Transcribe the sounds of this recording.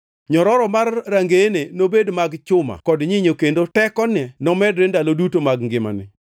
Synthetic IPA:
ɲɔɾɔɾɔmarːaŋɡenenobedmaɡt͡ʃʊma̰kɔdɲɪɲokendotɛkɔnɛnɔmɛdɾendalodutomaɡŋɡɪma̰nɪ̰

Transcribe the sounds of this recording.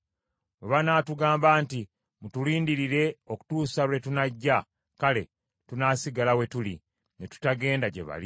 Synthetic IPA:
weβanaːtuɡaːmbaːnti | mutuliːndiɾiɾe̞o̞ku̥tuːsawe̞tunaɟːa | kale̞ | tunaːsiɡalawe̞tulḭ | netu̥taɡe̞ːndaɟe̞̰βa̰li

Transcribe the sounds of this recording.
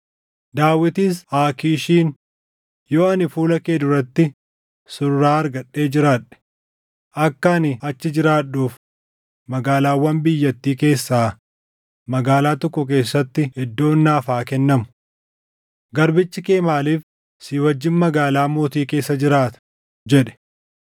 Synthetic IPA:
d̪aːwːɪt̪iːs̬aːkiːʃiːn | joːɐnɪfuːlɐkeːd̪ʊɾɐt̪ːɪ | sʊɾːaːɐɾɡɐᶑːe̞ːd͡ʒɪɾaːᶑɛ̥ | ʔɐkːɐnɪɐt͡ʃːɪd͡ʒɪɾaːᶑːuːf | mɐɡaːlaːwːɐmbɪjːɐt̪ːiːke̞ːsːaː | mɐɡaːlaːt̪ɔkːʊk̬e̞ːsːɐt̪ːɪhɛd̪ːo̞ːnːaːfaːkɛnːɐmʊ̥ | ɡɐɾbɪt͡ʃːɪke̞ːmaːliːf | siːwɐd͡ʒːɪnmɐɡaːlaːmoːt̪iːke̞ːsːɐd͡ʒɪɾaːt̪ɐ̥ | d͡ʒɛᶑɛ̥

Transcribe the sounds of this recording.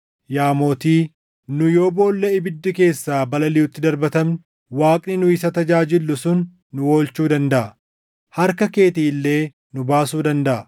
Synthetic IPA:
jaːmo̞ːt̪iː | nʊjo̞ːbo̞ːlːɐɪbɪd̪ːɪke̞ːsːaːbɐlɐlɪʊt̪ːɪd̪ɐɾbɐt̪ɐmnɪ | waːkʼnɪnʊɪsɐt̪ɐd͡ʒaːd͡ʒɪlːʊsʊnː | ʊwo̞ːlt͡ʃuːd̪ɐnd̪ɐʔɐ | hɐɾkɐke̞ːt̪iːlːe̞ː | nʊbaːsuːd̪ɐnd̪ɐʔɐ

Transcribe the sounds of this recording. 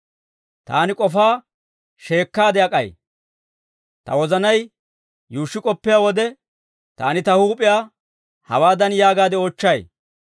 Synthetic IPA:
t̪a̰ːnɪkʼɔfaː | ʃe̞ːkːaːd̪ɛɐkʼɐj | t̪ɐ̰wɔzɐnɐj | juːʃːɪkʼɔpːɪjaːwɔd̪ɛ | t̪a̰ːnɪt̪ɐhuːpʼːɪjaː | hɐ̰waːd̪ɐnjaːɡaːd̪ɛoːt͡ʃːɐj

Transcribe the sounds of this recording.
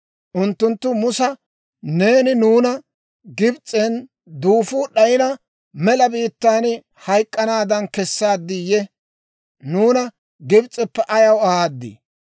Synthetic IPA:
ʔʊnt̪ːʊnt̪ːʊmʊsɐ | ne̞ːnɪnuːnɐ | ɡɪbt͡sʼːɛn | d̪uːfuːɗɐjɪnɐ | mɛlɐbiːt̪ːaːn | hɐjkʼːɐnaːd̪ɐnkɛsːaːd̪ːɪjɛ | nuːnɐ | ɡɪbt͡sʼɛpːɛʔɐjɐwɐaːd̪ːɪ̰

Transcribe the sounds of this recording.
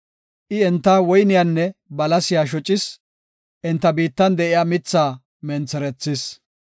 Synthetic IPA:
ʔɪɛnt̪ːɐwɔjnɪjanːɛbɐlɐsɪjaːʃ̬ɔt͡ʃʼːɪs | ʔɛnt̪ːɐbiːt̪ːɐnd̪ɛʔɪjaːmɪt͡sːaː | mɛnt͡sːɛɾɛt͡sːɪs

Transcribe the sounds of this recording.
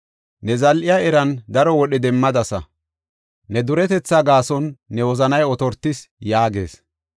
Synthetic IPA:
nɛzɐlʔɪjaɛɾɐnd̪ɐɾɔwɔɗɛd̪ɛmːɐd̪ɐsɐ̰ | nɛd̪ʊɾɛt̪ɛt͡sːaɡaːsɔnːɛwɔzɐnɐjɔt̪ɔɾt̪ːɪsjaːɡḛːs

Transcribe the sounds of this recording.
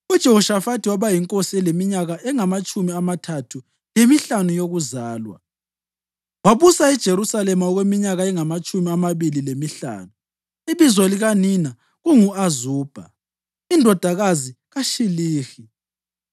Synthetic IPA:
ud̥ʒ̥ʱeuʃafatʰiwaβajiŋkʼosiɛlemiɲaɣaʔɛŋamat͡ʃʼumiamatʰatʰu | jemiɬanujoɣuzaːlwa̰ | waβusaɛd̥ʒ̥ʱeɾusalɛmaɔɣwemiɲaɣaɛŋamat͡ʃʼumiamaβililemiɬa̰ːnu | iβizwɔliɣanina | ɣuŋuazuːb̥ʱa̰ | indʱɔd̥ʱaɣaziɣaʃiliːxi

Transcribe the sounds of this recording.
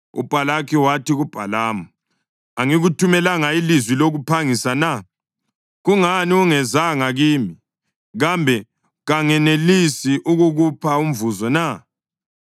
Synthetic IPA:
ṵpʼalakʰiwatʰiɣub̥ʱalaːmu | aŋiɣutʰumɛlaŋailizwiloɣupʰaŋisana | ɣuŋaniuŋɛzaŋaɣiːmi | ɣambʱɛ | ɣaŋɛnelisiʔuɣuɣupʰaum̩vuzɔna

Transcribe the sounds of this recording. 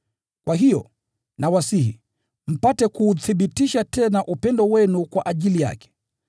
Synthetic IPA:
kwaɦijɔ̰ | nawasihi | m̩patɛkuːθiɓitiʃatɛnaʔupɛndɔwɛnukwaʔaʄilija̰kɛ̥

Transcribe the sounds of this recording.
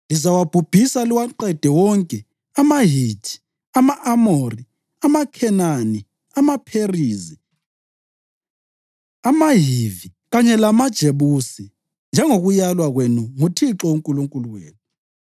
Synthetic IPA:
lizawab̥ʱub̥ʱisaliwaǃɛd̥ʱɛwɔŋkʼɛ | amaɦitʰi̥ | amaʔamori | amakʰɛnani | amapʰeriːzi | amaɦiviɣaɲɛlamad̥ʒ̥ʱeβusi | nd͡ʒʱɛŋoɣujalwaɣwenuŋutʰiǁɔwuŋkʼuluŋkʼuluɣwḛːnu

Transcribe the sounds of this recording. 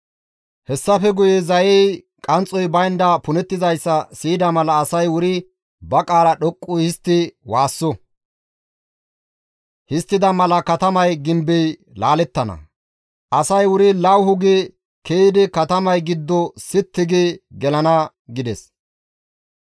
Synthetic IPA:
hɛsːɐfɛɡʊjɛzɐjɛj | kʼɐnt͡sʼːɔjbɐjnd̪ɐpʊnɛt̪ːɪzɐjsːɐsiːd̪ɐmɐlɐːsɐjwʊɾɪ | bɐkʼaːɾɐɗɔkʼːʊhɪst̪ːɪwaːsːɔ | hɪst̪ːɪd̪ɐmɐlɐkɐt̪ɐmɐjɡɪmbɛj | laːlɛt̪ːɐnɐ̰ | ʔɐsɐjwʊɾɪlɐwhʊɡe | keːd̪ɪkɐt̪ɐmɐjɡɪd̪ːɔsɪt̪ːɪɡeɡɛlɐnɐ | ɡɪd̪ɛs

